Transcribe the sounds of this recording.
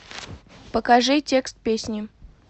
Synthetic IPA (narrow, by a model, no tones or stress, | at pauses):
pəkɐʐɨtʲe̞kst̪̚pʲesʲnʲɪ